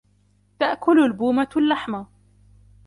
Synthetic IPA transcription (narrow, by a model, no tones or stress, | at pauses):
t̪aʔkʊlalbuːmalːaħma